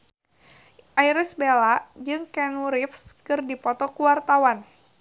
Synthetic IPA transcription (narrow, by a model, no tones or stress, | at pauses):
ʔajɾisbelad͡ʒɨŋkɛnuɾifskɨrdipɔt̪ɔkuwart̪awan